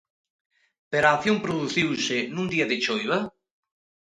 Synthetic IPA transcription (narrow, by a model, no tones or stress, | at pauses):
peɾaːθjõmpɾoðuθiwsɪnũŋd̪iɐðɪt͡ʃojβɐ